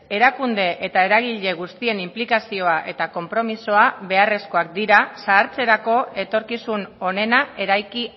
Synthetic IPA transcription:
e̞ɾakund̪e̞ʔet̪ae̞ɾaɣiʎe̞ɣ̞ust̪ie̞nimplikasio̞aʔe̞t̪ako̞mpɾo̞miso̞aβe̞are̞sko̞ak̚d̪iɾasaːɾt͡se̞ɾako̞e̞t̪o̞ɾkisuno̞ne̞nae̞ɾajki

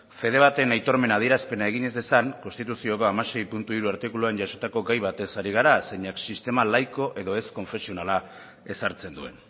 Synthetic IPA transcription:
fe̞ð̞e̞β̞at̪e̞najt̪o̞ɾme̞nað̞ie̞ɾaspe̞nae̞ɣiɲe̞zd̪e̞saŋko̞nst̪it̪usio̞ko̞amase̞jpunt̪uiɾuaɾt̪ikuluaɲɟaso̞t̪ako̞ɡajβat̪e̞saɾiɣ̞aɾaseɲaksist̪e̞malajko̞ʔe̞ðo̞e̞sko̞ɱfe̞sio̞nala | e̞saɾt͡se̞nd̪ue̞̰n

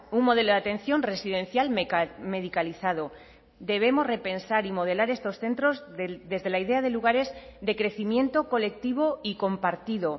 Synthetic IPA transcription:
uŋmo̞ð̞e̞loðat̪ẽ̞n̟θjo̞nre̞siðẽ̞nθjalme̞ðikaliθaðo | d̪e̞β̞e̞mo̞zre̞pe̞nsaɾimo̞ð̞e̞laɾe̞st̪o̞sθe̞nt̪ɾo̞zd̪e̞zðe̞laiðe̞aðe̞luɣ̞aɾe̞zðe̞kɾe̞θimjẽ̞nt̪o̞ko̞le̞k̚t̪iβ̞oiko̞mpaɾt̪iðo

